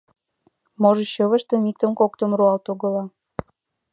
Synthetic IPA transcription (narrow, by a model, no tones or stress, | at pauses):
moʒɤ̆ɕə̆βə̆ʃt̪ĕmik̚t̪ə̆mkokt̪ə̆mruɑlt̪oɣɤ̆lɑ